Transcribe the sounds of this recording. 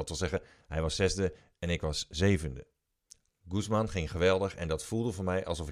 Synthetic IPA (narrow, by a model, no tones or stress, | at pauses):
tʋɪlˠzɛɣə | ɦɛjʋɑssɛzdə | ɛnɪkʋɑszejvəndə | ɡusmanχɪŋχəʋɛlˠdəxɛ̰ndɑtfulˠdəfonmɛjʔɑ̰lˠsɔf